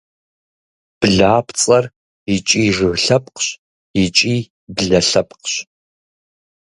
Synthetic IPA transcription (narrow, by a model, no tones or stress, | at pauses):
b̥ɨɮaːpʰt͡sʼɐr | it͡ʃʼiːʐɨɣɬɐp̚ʼqɕ | it͡ʃʼiː | bɨɮɐɬɐp̚ʼqɕ